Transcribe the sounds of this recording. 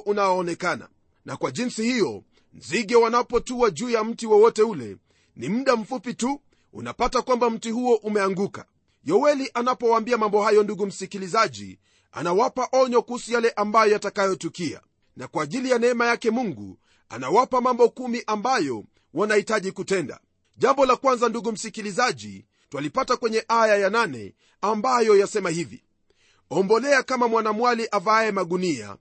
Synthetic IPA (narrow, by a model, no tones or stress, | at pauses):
ʔunawaːnɛkana̰ | nakwaʄinsihijɔ | n̩ziɠɛwanapɔtuwaʄuːjam̩tiwɔwɔtɛulɛ̰ | nimm̩ɗam̩fupitu | ṵnapatakwambam̩tihuɔʔumɛaŋɡuka̰ | jɔwɛliʔanapɔwaːmbiamambɔhajɔnduɡum̩sikilizaʄḭ | a̰nawapaʔɔɲɔkuhusujalɛʔambajɔjatakajɔtukia̰ | nakwaːʄilijanɛɛmajakɛmuŋɡṵ | a̰nawapamambɔkumiʔambajɔ | wanahitaʄikutɛnda̰ | ʄambɔlakwanzanduɠum̩sikilizaʄḭ | twalipatakwɛɲɛʔajajananɛ̰ | ambajɔjasɛmahivḭ | ɔmbɔlɛakamamwanamwaliʔavaɛmaɠunia̰